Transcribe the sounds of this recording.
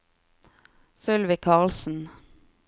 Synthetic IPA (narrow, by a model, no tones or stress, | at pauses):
sʏlʋɪkʰɑːʁlsn̩